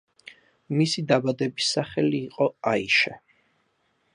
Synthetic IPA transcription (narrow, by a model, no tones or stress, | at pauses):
misid̪abad̪ɛbisːaχɛliːqʼɔaiʃɛ